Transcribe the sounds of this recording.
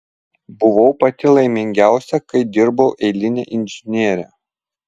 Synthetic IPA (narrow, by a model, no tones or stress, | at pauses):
bʊʋɔʊpɐt̪ʲɪlˠɐɪmʲɪŋʲɡʲæˑʊsʲɛkɐɪd̪ʲɪɾbɐʊʔɛɪlʲɪnʲḛːʔɪnʲʒʲɪnʲiɛɾʲæ̰ː